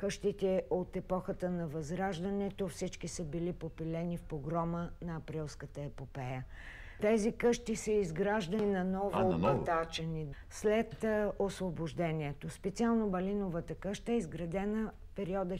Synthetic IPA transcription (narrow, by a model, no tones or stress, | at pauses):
kɤʃt̪it̪ɛot̪ɛpɔxət̪ənɐvɐzɾaʒd̪ɐnɛt̪ofsit͡ʃkisəbilipopilɛnifpoɡɾɔmənɐːpɾilˠskət̪əɛpopɛjə | t̪ɛzikɤʃt̪isəizɡɾaʒd̪ənɐnɔvoobɐt̪at͡ʃəni | slɛt̪osvoboʒd̪ɛniɛt̪ospɛt̪sialˠnobɐlinovət̪əkɤʃt̪əɛizɡɾɐd̪ɛnəfpɛɾiɔd̪ə